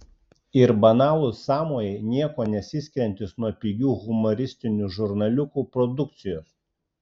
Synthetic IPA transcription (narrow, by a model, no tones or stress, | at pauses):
ɪɾbɐnɑːlˠʊsɑːmoːjɛɪnʲiɛkoːnʲɛsʲɪsʲkʲɾʲɛnʲt̪ʲɪsnuɔpʲiɡʲuːɣʊmɔɾʲɪsʲt̪ʲɪnʲuːʒʊɾnɐlʲʊkuːpɾɔd̪ʊk̚t̪sʲɪjoːs